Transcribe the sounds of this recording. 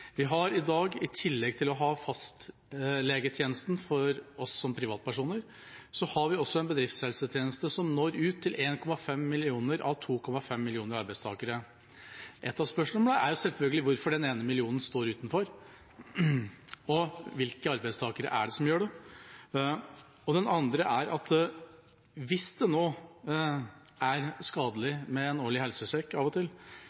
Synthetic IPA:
ʋɪɦɑɾɪd̪ɑːɡɪt̪ʰɪlːɛɡt̪ʰɪlɔɦɑːfɑst̪ | leːɡət̪ʰjeːnəst̪n̩fɔɾɔsːɔmpʰɾɪʋɑːt̪̚pʰæʂuːnəɾ | sɔhɑɾʋɪɔsːɔɛnbəd̪ɾɪft̪shɛlsət̪ʰjeːnəst̪əsɔmnoːɾʉːt̪ʰːɪlʔeːnkʰɔmɑfɛmːɪlɪuːnəɾʔɑ̰ʋt̪ʰuːkʰɔmɑfɛmːɪlɪuːnəɾɑɾbæɪst̪ʰɑ̰ːkəɾə | ʔɛt̪ːɑʋspœʂəmɛd̪æʔæ̰ɾjʊsɛlfœlɡəlɪʋʊɾfɔɖɛneːnəmɪlɪuːnən̩st̪oːɾʉːt̪nfɔɾ | ɔʋɪlkəɑɾbæɪst̪ʰɑːkəɾə̰ʔæ̰ɖɛsɔmjøːɖɛ | ɔd̪ɛnɑnd̪ɾəʔæɾʔɑt̪ | ʋɪsd̪ɛnoː | æɾskɑːd̪əlɪmɛɛnoːɭɪhɛlsəsɛkːɑːʋɔt̪ʰɪl

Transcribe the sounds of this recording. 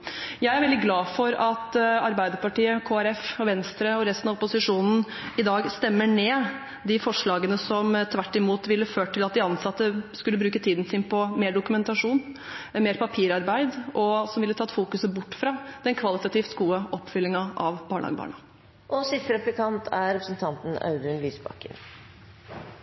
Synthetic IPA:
jæɪæɾʋɛld̪ɪɡlɑːfɔɾɑt̪ɑɾbæɪd̪əɾpɑʈiːəkʰoːæɾɛfɔʋɛnst̪ɾəɔɾɛst̪nɑʋɔpʊsɪʂuːnn̩ | ɪd̪ɑːɡst̪ɛmːəɳeː | d̪ɪfɔʂɭɑːɡənəsɔmt̪ʰʋæʈːɪmuːt̪ʋɪlːəføːʈʈʰːɪlɑt̪d̪ɪɑnsɑt̪ːəskʉlːəbɾʉːkət̪ʰiːd̪n̩sɪnpʰɔmeːɖʊkʉmɛnt̪ɑʂuːn | meːɾpʰɑpʰiːɾɑɾbæɪd̪ʔɔsɔmʋɪlːət̪ʰɑt̪fuːkʉsəbʊʈːfɾɑd̪̥ɛnkʰʋɑlɪt̪ɑt̪iːft̪ɡuːəʔɔpːfʏlːɪŋɑʔɑʋb̥ɑːɳəɑ̰ɡəbɑ̰ːɳɑ | ʔɔsɪt̪ːɾɛplɪkʰɑnt̪ʰæɾɛpɾəsn̩t̪ʰɑnt̪n̩ɑ̰ʉd̪ʉnlyːsbɑ̰kːə̰n

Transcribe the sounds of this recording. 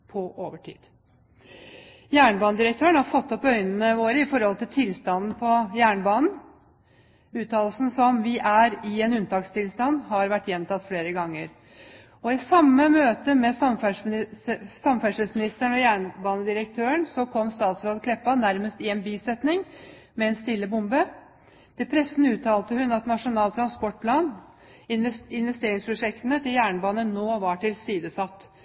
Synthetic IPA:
pʰɔʔoːʋəʈʰḭːd̪̥ | jæːɳəbɑːnəd̪ɪɾəkt̪ʰøːəɳhɑɾfɔt̪ːɔpœʏnənəʋoːɾəɪfɔɾhɔlt̪ɪlt̪ʰɪlst̪ɑnn̩pʰɔjæːɳəbɑːnn̩ | ʉːt̪ʰɑːllsn̩sɔmʋɪʔæɾɪɛnʉnt̪ʰɑːkst̪ʰɪlst̪ɑnːhɑɾʋæʈːjɛnːmt̪ɑt̪ːfleːɾəɡɑŋːəɾ | ɔɪsɑmːəmøːt̪əmɛsɑmfæʂ | sɑmfæʂəsmɪnɪst̪æɳɔjæːɳbɑːnəd̪ɪɾək̚t̪ʰøːəɳsɔkʰɔmːst̪ɑːt̪sɾoːd̪kʰlɛpːɑnæɾməst̪ɪɛnbiːsɛt̪nɪŋ | mɛɛnst̪ɪlːəbʊmbə | d̪̥ɛpʰɾɛsːn̩ʉːt̪ʰɑːlt̪əhʉnɑt̪nɑʂʊnɑːlt̪ʰɾɑnspɔʈ̚pʰlɑːn | ɪnʋɛst̪eːɾɪŋspʰɾʊʂɛkt̪ənət̪ʰɪljæːɳbɑːnənoːʋɑʈɪlsiːd̪əsɑt̪ː

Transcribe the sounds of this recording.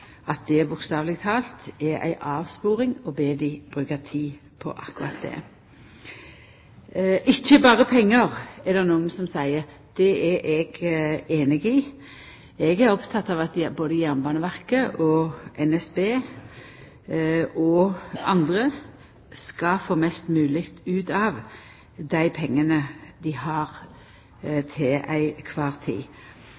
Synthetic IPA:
ɑt̪̚d̪ɛæbʊkst̪ɑːʋlɪɡt̪ʰɑːlt̪ɛæ̰ɪʔɑːʋspuːʁɪŋɔbeːd̪ɪb̥ʁʉːkət̪ʰiː | pʰɔ̰ʔɑ̰kːʊɾɑ̰t̪̚d̪ɛ̰ | ʔɪçːəbɑːʁəpʰɛŋːəʁɛld̪ɛnuːənsɔmsæɪəʁ | d̪̥ɛɛʔɛɡeːnɪɡɪ | ɛɡæɾɔpt̪ʰɑt̪ːɑʋɑt̪boːd̪əjæʁmbɑːnəʋæʁkəʔɔʔɛnɛsbeː | ɔɑ̰nd̪ʁə | skɑfoːmɛst̪mʉːlɪkt̪ʉːt̪ɑːʋ | d̪æɪpʰɛŋːənəd̪ɪhɑʁ | t̪ʰeʔæɪkʰʋɑːʁt̪ʰḭː

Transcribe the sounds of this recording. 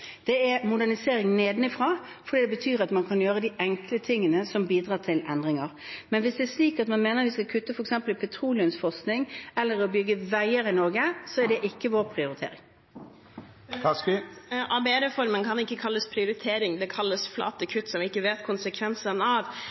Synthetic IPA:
d̪̥ɛɛɾmʊd̪æɳɪseːɾɪŋneːd̪nɪfɾɑː | fɔɖiːd̪ɛbət̪ʰyːɾɑt̪mɑnkʰɑnjøːɾəd̪iʔɛŋklət̪ʰɪŋːənəsɔmbiːd̪ʁɑːt̪ʰɪlɛnd̪ɾɪŋɑɾmɛnʋɪsd̪ɛːʂliːkɑt̪mɑnmeːnəɾʋɪskɑlkʰʉt̪ːəfɔɾɛksɛmpəlɪpʰɛt̪ʰɾuːlɪʉmsfɔsknɪŋɛlːəɾɔbʏɡːəʋæɪəɾɪnɔɾɡəsɔæɖɛʔɪkːəʋoːɾpʰɾɪʊɾɪt̪ʰḛːɾɪ̰ŋ | kɑskʔɑbeɛɾɛfɔɾmənkʰɑnɪkːəkʰɑlːəspʰɾɪʊɾɪt̪ʰeːɾɪŋd̪ɛkʰɑlːəsflɑ̰ːt̪əkʰʉt̪ːsɔmʋɪɪkːəʋeːt̪kʰʊnsəkʰʋɛnsənɑʋ

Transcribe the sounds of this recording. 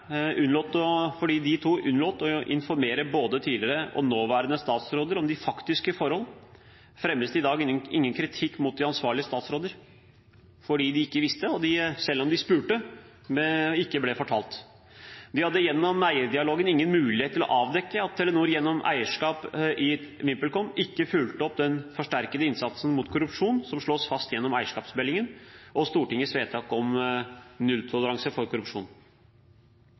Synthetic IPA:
ʉnlɔːt̪ɔfɔɖiːd̪ɪt̪ʰuːʔʉnloːt̪ɔʔɪ̰nfɔɾmeːɾəboːd̪ət̪ʰiːlɪɾəʔɔ̰noːʋæːɾənəst̪ɑːt̪sɾoːd̪əɾɔmd̪ɪfɑkt̪ɪskəfɔɾhɔl | fɾɛmləsd̪ɪd̪ɑːɡ̪ɪŋːənkʰɾɪt̪ʰɪkːmʊt̪̚d̪ɪɑnsʋɑːɭɪəst̪ɑːt̪sɾoːd̪əɾ | fɔɖiːd̪ɪɪkːəʋɪst̪əɔd̪ɪsɛlːɔmd̪ɪspʉːʈə | mɛɪkːəblɛfɔʈʰɑːlt̪ | d̪ɪhɑd̪ːəjɛnːɔmæɪəɾd̪ɪɑloːɡənɪŋːənmʉːlɪheːt̪ːɪlɔ̰ʔɑːʋd̪ɛkːəɑt̪ʰːɛlənuːɾjɛnːɔmʔæ̰ɪəʂkɑːpʔɪʋɪmpəlkɔmɪkːəfʉlt̪əɔpd̪ɛnfɔʂʈæɾkəd̪əɪnsɑt̪sən̩mut̪kʰʊɾʉpʂuːnsɔmʂɭoːsfɑst̪jɛnːɔmæɪəʂkɑːpsbɛlɪŋənʔɔst̪uːʈɪŋːəsʋeːt̪ʰɑkɔm | nʉlt̪ʰɔləɾɑŋsəfɔɾkʰʊɾʉpʂṵːn

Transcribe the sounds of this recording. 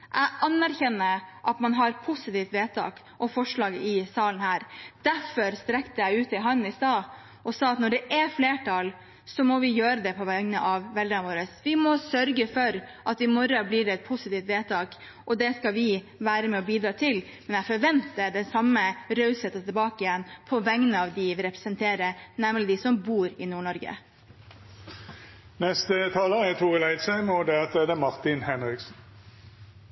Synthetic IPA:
ʔæɪɑnːæɾçɛnːəʔɑt̪mɑnɦɑɾpʰʊsɪt̪iːft̪ʋeːt̪ʰɑ̰ːk | ʔɔfɔʂɭɑːɡəʔɪsɑːlənhæːɾd̪̥æfɔɾst̪ɾɛkt̪əæɪʉːt̪ɪlɦɑnːɪst̪ɑː | ɔsɑːɑt̪nɔɖɛʔɛfleːʈʰɑl | sɔmɔʋɪjøːɾəd̪ɛpʰɔʋɛnəʔɑʋʋɛld̪əɳɑʋoːɾəsʋɪmɔsœɾɡəfɔɾʔɑt̪ɪmɔɾɑblɪɖɛɛt̪̚pʰʊsɪt̪iːft̪ʋeːt̪ʰɑːk | ʔɔd̪ɛskɑʋɪ | ʋæːɾəmɛɔbiːd̪ɾɑːt̪ʰɪl | mɛnæfɔɾʋɛnt̪əd̪ɛsɑmːəɾɑʉshɛt̪ːət̪ʰɪlbɑːkəɪjɛnːpʰɔʋɛŋənəɑʋd̪ɪʋɪɾɛpɾɛ̥sənt̪ʰeːɾənɛmːlɪd̪ɪsɔmbuːɾɪnuːɳɔɾɡə̰ | nɛst̪ət̪ʰɑːləæt̪ʰuːʁəlæɪd̪səmɔd̪ɛɛt̪ʰɛd̪ɛmɑʁt̪ɪnhɛnʁɪksn

